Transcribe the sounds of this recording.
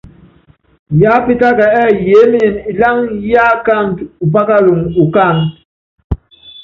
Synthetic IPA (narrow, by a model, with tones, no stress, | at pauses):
ja˦pi˦ta˦ka˨ɛ˦˨je˨˦mi˦e˨ni˨la˦ŋja˦ka˦˨n˨tu˨p̬a˦ka˦lu˨ŋu˨ka˦˨ŋ